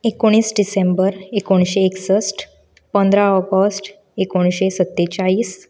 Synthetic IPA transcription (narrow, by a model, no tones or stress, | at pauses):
ekoɽ̃iːsɖisẽmbəɾekoɽ̃ɕeːksəsʈ | pənd̪ʱɾaɔɡəsʈ | ekoɳ̃ɕesət̪ːet͡ɕaiːs